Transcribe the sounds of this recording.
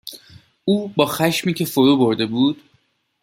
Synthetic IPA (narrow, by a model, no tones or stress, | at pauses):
uːbɒːxæʃmiːcʰe̞foɾuːbo̞ɾd̪e̞buːd̪̥